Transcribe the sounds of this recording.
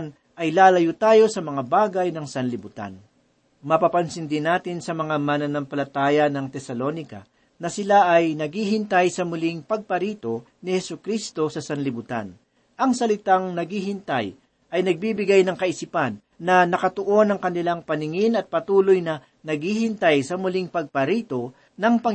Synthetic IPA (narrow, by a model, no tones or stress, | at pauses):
n | ʔɐjlaːlɐjʊt̪aːjo̞sɐmɐŋabaːɡɐjnɐŋsɐnlɪbʊt̪a̰n | mɐpapɐnsɪnd̪ɪnaːt̪ɪnsɐmɐŋamanɐnɐmpɐlɐt̪aːjɐnɐŋt̪ɛsɐlo̞nɪkɐ̰ | nɐsɪlaʔɐjnɐɡiːɦɪnt̪ajsɐmʊliŋpɐɡ̚pɐɾiːt̪o̞ | nɪhɛsʊkɾist̪o̞sɐsɐnlɪbʊt̪a̰n | ʔɐŋsɐlɪt̪aŋnɐɡihɪnt̪aj | ʔɐjnɐɡ̚bibɪɡajnɐŋkɐʔɪsipɐnːɐnɐkɐt̪ʊʔo̞nɐŋkɐnɪlaŋpɐnɪŋɪnɐt̪̚pɐt̪uːlojnɐ | nɐɡihɪnt̪ajsɐmʊlɪŋpɐɡ̚pɐɾiːt̪o̞ | nɐŋpɐŋ